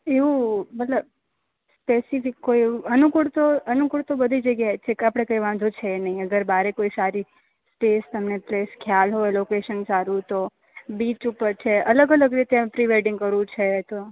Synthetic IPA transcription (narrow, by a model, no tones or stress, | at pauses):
eʋũbət̪ləb | spesifɪkːoieuənukuɭt̪oənukuɭt̪obəd̪ʱid͡ʒəɡjat͡ʃʰekapɽ̃ekəiʋãd͡ʒ̪ot͡ʃʰenəɦĩəɡəɾbaɾekoisaɾi | sʈest̪əmnepleskʰjalɦoelokeʃənsaɾũt̪o | bit͡ʃupəɾt͡ʃʰeələɡələɡɾit̪epɾiʋeɾɖĩŋɡkəɾʋũt͡ʃʰet̪o